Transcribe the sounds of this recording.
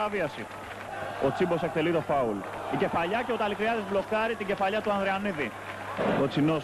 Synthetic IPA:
ɐviɐsḭ | ot͡sibo̞se̞k̚t̪e̞lit̪o̞fɐul | ice̞fɐʎɐce̞ot̪ɐlikɾiɐðizblo̞kɐɾit̪iɟe̞fɐʎɐt̪uɐnðɾeɐniði | o̞t͡sino̞

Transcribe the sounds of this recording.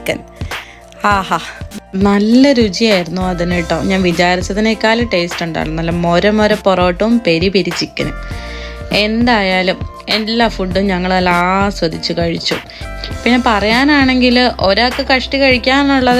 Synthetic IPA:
kːɐn | haːhaːnɐlːɐɾud͡ʑijaːjiɾunːuɐðiniʈːo̞ːɲaːnʋit͡ɕaːɾit͡ɕːɐðinekːaːlɐʈe̞jstuɳɖa̰ːɭunːɐlːɐmo̞ɾɐmoɾɐpːoro̞ːʈːɐʋumpe̞ɾipiɾit͡ɕːikʲːɐnṵ | e̞nd̪aːjaːlum | e̞lːaːfuɖːumɲɐŋːɐɭɐlːaːswɐd̪ʱit͡ɕːukɐɻit͡ɕːu | pinːe̞pɐrɐjaːnaːɳe̞ŋɡilʔo̞ɾakːekɐʂʈikɐɻikʲːaːnnːuɭːɐðɨ

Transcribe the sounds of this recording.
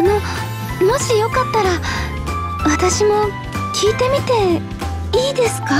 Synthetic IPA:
no̞ | mo̞ɕijo̞kat̪ːaɾa | βat̪aɕimo̞ | kʲʰiːt̪e̞mʲit̪e̞ | iːd̪e̞sɨ̥ka

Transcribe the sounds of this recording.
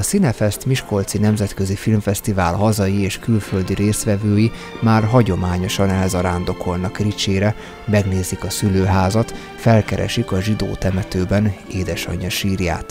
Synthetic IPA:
ɒsinɛfɛst̪miʃko̞lt̪sinɛmzɛt̪kø̞zifilmfɛst̪ivaːlɦɒzɒjieːʃkylføld̪iɾeːsʋɛvøːji | maːrɦɒɟo̞maːɲo̞ʃɒnɛlzɒɾaːnd̪o̞kʰo̞lnɒkrit͡ʃeːɾɛ | mɛɡneːzikɒsyløːɦaːzɒt̪ | fɛlkɛɾɛ̰ʃikɒʒid̪o̰ːt̪ɛmɛt̪øːbɛneːd̪ɛʃɒ̰ɲɒʃiːrja̰ːt̪

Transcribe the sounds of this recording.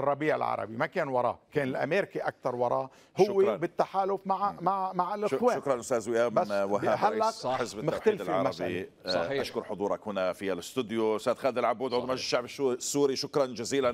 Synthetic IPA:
ʔrˤːɑbiːʕɪ̰lʕɑ̰ɾˤɑ̰bimakeːnwɑɾˤɑ̰ːkeːnɪlʔa̰meːɾɪkiʔak̚t̪ɑɾˤwɑɾˤɑːʔ | hʊwwːebɪt̪ːaħaːlʊfmaʕmaʕmaʕɪlʔɪʃweːʊkɾˤɑnʔʊst̪æːzwɪjaːmwɪɦaɦalːaħɪsbɪmɪxħald̪ɪlʕɑɾmabi | ʔaʃkʊɾˤħʊd̪ˤuːɾˤɑkhʊnafialɪst̪ɪd̪joʊst̪æːd̪xaːd̪ɪlʕabːuːd̪ʕʊd̪ˤmnaʒɪʃːaʕbɪʃsːuːɾiʃʊkɾˤɑnd͡ʒaziːlan

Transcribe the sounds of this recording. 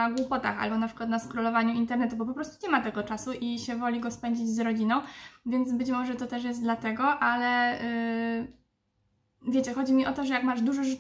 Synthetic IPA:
aɡwupɔt̪a̰xa̰lbɔnapʂɨkwat̪naskɾɔlɔvaɲuint̪ɛɾnɛt̪ubɔpɔpɾɔst̪uɲɛmat̪ɛɡɔt͡ʂasuʔiɕɛvɔlʲiɡɔspɛɲd͡ʑid͡ʑzɾɔd͡ʑinɔ̃w̃vʲjɛnd̪zbɘt͡ɕmɔʐɛt̪ɔt̪ɛʂ̬jɛst̪̚d̪lat̪ɛɡɔʔalɛ | vʲjet͡ɕɛxɔd͡ʑimʲiʔɔt̪ɔʐɛjakmaʐd̪uʐɛʐɨ

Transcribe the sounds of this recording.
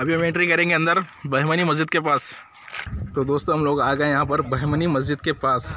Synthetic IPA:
ɐbiɐmẽːɳʈɾikɐɾẽːŋɡeɐ̃nd̪əɾbɐɦmənimɐzd͡ʒɪd̪̚kepaːs | t̪od̪oːst̪õɦɐmloːɡaːɡɐẽjɐɦãpɐɾbɐɦmənimɐzd͡ʒɪd̪kepaːs

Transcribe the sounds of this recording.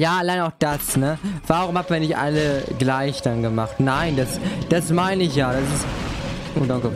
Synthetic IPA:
jaːʔalaɪnəaʊxd̥asnəv̥aːʁʊmhaːtmviːɐnɪçtʔa̰ləɡlaɪçd̥anɡəmaχtnaɪndasd̥asmaɪnəɪçjaːd̥asɪstʔodako

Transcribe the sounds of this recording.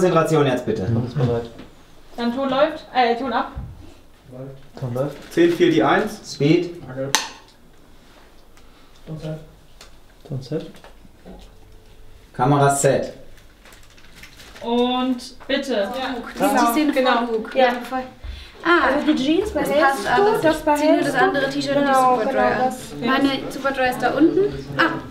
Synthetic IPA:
ɔt͡sɛntʁat͡sjoːnjat͡stb̥ɪtə̰ɔmsb̥əʁaɪt | d̥antʰoːtlɔʏftʔɛːtʰoːnap | tʰolɔftt͡seːnfiːɐdiːʔaɪnsspiːt | tʰonsɛt | kʰaməʁat͡sɛt | ʔʊntb̥ɪtə̥ɪdiseːnəɡukjafɔlʔaːzdid͡ʒisb̥aastʔadasb̥aɛdasʔandəʁətʰiːʃɐspɐdʁas | maɪnəsuːpɐdʁaɪsd̥aːʔʊntn̩ʔaː

